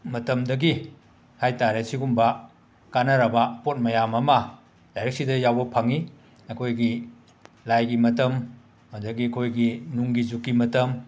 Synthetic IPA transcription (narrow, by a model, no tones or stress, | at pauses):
mɐtɐmdɐɡi | hajtaɾesiɡumbɐ | kanɐɾɐbɐpot̚mɐjamɐmɐ | dajɾek̚sidɐjawbɐpʰaŋi | ɐkʰojɡi | lajɡimɐtɐmː | ɐdɐɡiɐkʰojɡinuŋɡizukːimɐtɐm